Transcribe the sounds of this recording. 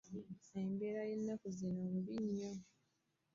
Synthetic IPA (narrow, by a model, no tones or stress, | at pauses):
eːmbeɾajenːafuzinombiɲːo